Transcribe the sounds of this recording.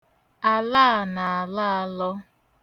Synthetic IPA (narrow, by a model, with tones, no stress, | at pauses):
a˨laː˦˨na˨a˨la˦a˦lɔ˦